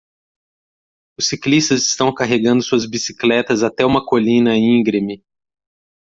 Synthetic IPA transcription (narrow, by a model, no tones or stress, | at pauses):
ʊsiklist̪ɐzɪst̪ɐ̃w̃kaɦeɡɐ̃nd̪ʊsuɐzbisi̥klɛt̪ɐzat̪ɛũmɐkolĩnɐĩɡɾimɪ